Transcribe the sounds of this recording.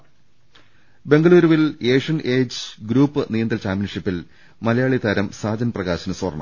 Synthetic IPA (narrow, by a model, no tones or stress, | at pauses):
be̞ŋɡɐɭuːɾuʋileːʂɐneːd͡ʑɨɡɾuːpːɨnijɐnd̪ɐlt͡ɕaːmpjɐnʂipːil | mɐlɐjaːɭit̪ʰɐɾɐmsaːd͡ʑɐnprɐɣaːɕɐnɨsʋɐ̰rɳɐ̰m